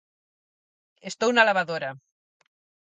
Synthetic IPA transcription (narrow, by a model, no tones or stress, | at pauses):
est̪ownalaβaðoɾa